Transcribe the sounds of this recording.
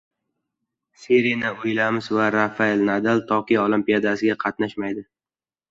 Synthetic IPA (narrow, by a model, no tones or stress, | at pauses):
siɾinɪʊjlamɪzvaɾafaelnad̪alt̪ʰɒqijolˠimpijad̪asɪɡʲaqʰɑt̪̚naʃmajd̪ɪ